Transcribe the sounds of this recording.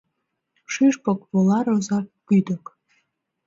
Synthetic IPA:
ʃyʃpokβolɑɾozɑkːyd̪ək

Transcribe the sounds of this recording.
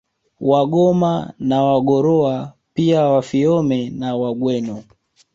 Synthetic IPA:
waɠɔmanawaɠɔɾɔa | piawafiɔmɛnawaɡwɛnɔ

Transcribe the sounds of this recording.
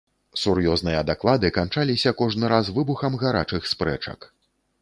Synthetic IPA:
surjɔznɨjɐd̪aklˠad̪ɨkant͡ʂalʲisʲɐkɔʐnɨɾasvɨbuxɐmɣaɾa̰t͡ʂɨxspɾɛ̰t͡ʂɐ̰k

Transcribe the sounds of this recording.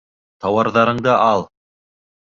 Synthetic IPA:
t̪ʰɑwɑɾðɑɾɤ̆ɴd̪ɑʔɑlˠ

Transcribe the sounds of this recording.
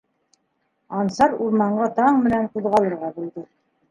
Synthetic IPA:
ɑnsɑɾuɾmɑɴɢɑt̪ɑɴmɘ̆nænquðʁɑlˠɤ̆ɾʁɑbulˠd̪ɤ

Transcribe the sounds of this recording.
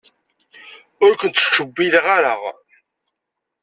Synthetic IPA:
ʊɾkʷənt̪ʃəbːilʁaɾəʁ

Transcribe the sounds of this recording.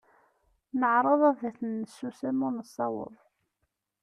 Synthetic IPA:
nəʕɾˤɑðˤæðæθənːəsːusæmʊnəsˤːɑ̰wə̰ðˤ

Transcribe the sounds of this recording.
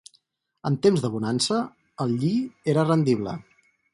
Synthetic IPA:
ənt̪emzðəβunansə | əlˠʎieɾərənd̪iβlə̰

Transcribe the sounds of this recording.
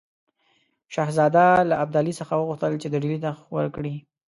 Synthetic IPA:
ʃɑhzɑd̪alaːb̚d̪ɑlisəxawəɣʊxt̪əlt͡ʃed̪əɖilit̪awə̰ɾkɽi

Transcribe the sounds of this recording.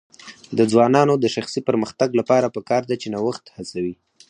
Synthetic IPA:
d̪əd͡zwɑnɑnod̪əʃaxsipəɾməxt̪aɡlapɑɾapəkɑɾd̪at͡ʃenawəxt̪hat͡sawi

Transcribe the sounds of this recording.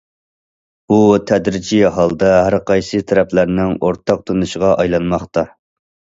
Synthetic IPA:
ut̪ʰɛd̪ɾɪd͡ʒiɦɑlˠd̪ɑɦæɾqʰɑjsɨt̪ʰɛɾɛplæɾnɪŋoɾt̪ʰɑq̚t̪ʰonɨʃəʁɑʔɑjlˠɑnmɑχt̪ɑ

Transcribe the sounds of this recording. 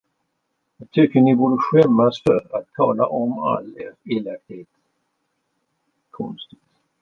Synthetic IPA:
jɑːɡ̚t̪ʰʏkːənɪbuːɖəɧɛmːasfœɾat̪̚t̪ʰɑːla̰ʔɔma̰lɛɾeːlak̚t̪heːt̪ | kʰɔnst̪ɪ

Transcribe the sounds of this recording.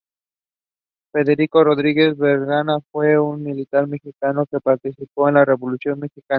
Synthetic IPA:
fe̞ðe̞ɾiko̞ro̞ðɾiɣe̞zβe̞ɾɣanafwe̞unmilit̪aɾme̞xikano̞ke̞paɾt̪isipo̞enlare̞βo̞lusjo̞nme̞xika

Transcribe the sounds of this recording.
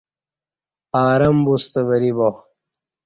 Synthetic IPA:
aːɾɐmbust̪ɐβɐɾibo

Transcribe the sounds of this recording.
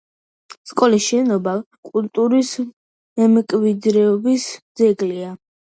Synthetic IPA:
skʼɔlisʃɛnɔba | kʼult̪ʼuɾis | mɛmkʼvid̪ɾɛɔbisd̪zɛɡlia

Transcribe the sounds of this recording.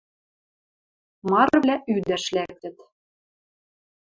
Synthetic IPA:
mɑɾɤβlʲæʔyd̪æʃlæk̚t̪ɘ̆t̪

